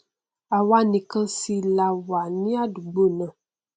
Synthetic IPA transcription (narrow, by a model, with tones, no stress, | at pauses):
a˨wa˦nĩ˨kə˦si˦la˦wa˨nĩ˦a˦du˨ɡ͡bo˦˨nə˨